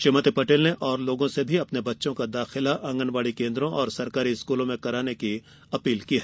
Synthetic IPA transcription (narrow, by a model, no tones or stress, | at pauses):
ʃɪmət̪ipɐʈeːlneʔɔːɾloːɡõsebʱiɐpnebɐtːʃõkad̪aːxɪlaʔɐ̃ŋɡənʋaːɽikẽːnd̪ɾõʔɔːɾsɐɾkaːɾiɪskuːlõmẽkɐɾaːneki | ɐpiːlkiɦɛː